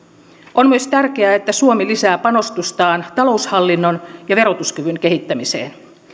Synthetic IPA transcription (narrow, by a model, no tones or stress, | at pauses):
ʔonmyøst̪ærk̟eæet̪ːæsuomilisæːpɑno̞st̪ust̪ɑːnt̪ɑlo̞ushɑlːinːonjɑʋe̞ɾot̪uskyʋyŋke̞ɦit̪ːæmisḛːn